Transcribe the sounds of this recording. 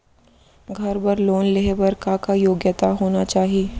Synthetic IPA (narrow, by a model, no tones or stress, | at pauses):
ɡʱɐɾbɐɾloːnleɦebɐɾkakajoːɡjət̪aɦoːnat͡ʃaːɦieː